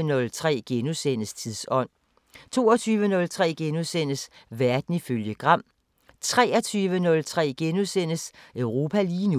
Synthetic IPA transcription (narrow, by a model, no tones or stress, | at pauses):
ənɔ̽lt͡sʰʁɛ̰ːɡ̥enusenəst͡sʰiðˠsɒ̽n̰ | t͡sʰo̝̰ːɐt͡sʰyːʋənɔ̽lt͡sʰʁɛ̰ːɡ̥enusen̰əsʋæɐd̥n̩iføljəɡ̥ʁɑ̈m̰ | t͡sʰʁɛːɐt͡sʰyːʋənɔ̽lt͡sʰʁɛ̰ːɡ̥enusen̰əsœʊʁo̝ːpʰæliːnu